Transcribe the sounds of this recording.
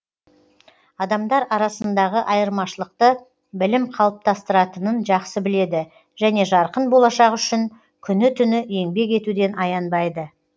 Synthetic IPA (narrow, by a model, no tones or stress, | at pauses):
ɑd̪ɑmd̪ɑɾɑɾɑsənd̪ɑʁəʔɑjəɾmɑʃəlˠəq̚t̪ə | bɪlɪmqʰɑlˠəp̚t̪ʰɑst̪əɾɑt̪ənənʒɑqsəbɪle̞d̪ɪ | ʒ̥æne̞ʒɑɾqənbo̞lˠɑʃɑqʏʃɪŋ | kʲʰʏnɪt̪ʰʏnɪe̞ŋbe̞ke̞t̪ud̪e̞nɑjɑnbɑjd̪ə